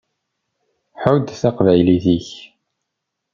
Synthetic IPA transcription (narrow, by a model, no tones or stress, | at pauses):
ħʊd̪θaqvæjliθiç